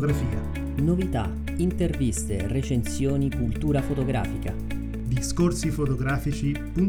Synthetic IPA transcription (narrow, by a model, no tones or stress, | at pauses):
ɡɾafiːa̰ | novit̪a̰ | int̪ervist̪eret͡ʃensjoɔːnikult̪uːɾafot̪oɡɾa̰ːfika̰ | d̪iskorsifot̪oɡɾaːfit͡ʃi | pun